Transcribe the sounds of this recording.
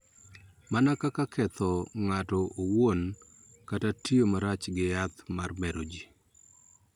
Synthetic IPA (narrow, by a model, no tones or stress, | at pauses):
manakakakʰɛt̪ɔŋatɔʔowon | katatiomaɾat͡ʃɡɪjat̪marmɛɾod͡ʒi